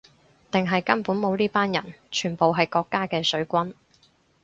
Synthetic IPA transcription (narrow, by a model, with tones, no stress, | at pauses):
t̪ɪ˨ŋɦɐ˨jkɐ˥npuː˨˥nmo˨˧wliː˥paː˥njɐ̰˨˩nt͡ʃʰyː˨˩npo˨wɦɐ˨jkɔː˧kːaː˥kɛː˧sɵ˨˥ɥkʷɐ˥n